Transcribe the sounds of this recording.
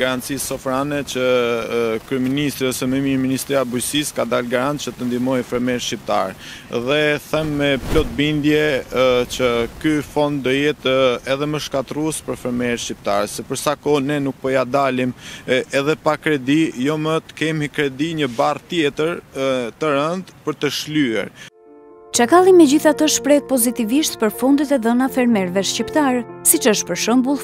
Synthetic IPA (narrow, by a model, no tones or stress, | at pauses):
ɡaɾant̪t͡sisɔfɾanɛt͡ʃə | kɾyɛminist̪ɾiɔsɛmɛmiminist̪ɾiabujsiskad̪alɡaɾant̪̚t͡ʃət̪ənd̪imɔjfɛɾmɛɾʃcip̚t̪a̰ɾɛ | ðɛθɛmːɛplɔt̪̚bind̪jɛt͡ʃəkyfɔnd̪d̪ɔjɛt̪ɛðɛməʃkat̪ɾuɛspəɾfɛɾmɛɾʃcip̚t̪aɾɛsɛpəɾsakɔnɛnuk̚pɔjad̪alimɛðɛpakɾɛd̪ijɔmət̪kɛmikɾɛd̪iɲəbart̪jɛt̪əɾt̪əɾənd̪pəɾt̪əʃlyɛ̰ɾ | t͡ʃakalˠimɛd͡ʑiθat̪əʃpɾɛt̪̚pɔzit̪iviʃt̪pəɾfund̪it̪ɛðənafɛɾmɛɾvɛʃcipt̪aɾɛsit͡ʃəʃt̪̚pəɾʃəmbulˠ